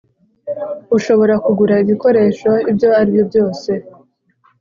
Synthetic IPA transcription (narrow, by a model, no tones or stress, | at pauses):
uʃo̞βo̞ɾakuɡuɾaiβiko̞ɾe̞ːʃo̞ibjo̞haɾibjo̞bjo̞ːse̞